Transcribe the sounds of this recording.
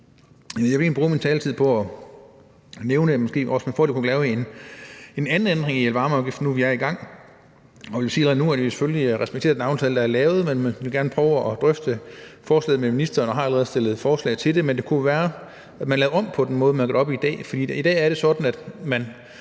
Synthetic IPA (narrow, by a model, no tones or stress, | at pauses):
j̩jɑʋeŋnlibʁṵːmint͡sʰɛːlt͡sʰið̰ˠpʰɒ̽ɒ | neʊnəmɒ̽sɡ̥e̝̰ːɒsmænfɔldikʰuɡ̥lɛːʊen | e̝nænn̩end̥ʁeŋielʋɑ̈ːmɒʊɡifd̥nuʋijɑ̈iɡ̥ɑ̈ŋ̰ | ɒʋe̝ljisiːælˠəʁɛð̩ˠnuæd̥ʋise̥følliʁɛsb̥e̥e̝ːɐðˠd̥nɑ̈ʊnt͡sʰɛːləd̥ɑæɐlɛːʊð̩ˠmenmænʋe̝lɡæɐnəpʰʁœʊʔɒd̥ʁœfd̥əfɒːslɛ̰ːð̩ˠmeminisd̥ɐːnɒ̽ɦɑ̈æləʁɛð̩ˠsd̥e̝lð̩ˠfɒːslɛ̰ɪt͡sʰe̝ld̥e̝mend̥e̝kʰuʋæːɐ | æ̥mænlɛːʊɒ̽m̰pʰɒ̽d̥enmɔ̽ːð̞̩ˠmænɑɡ̥ɒdɒ̽b̥iid̥ɛ̰ːfɒd̥ḭːid̥ɛ̰ːæɐɾ̥e̝sɒ̽d̥n̩æd̥mæn